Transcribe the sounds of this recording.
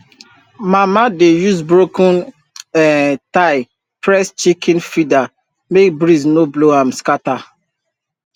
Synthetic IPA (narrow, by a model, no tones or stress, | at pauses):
mamadejus̬bɾokũn | ɛtaɪ | pɾɛst͡ʃikĩnfida | mek̚bɾisnobloɦãm̩skata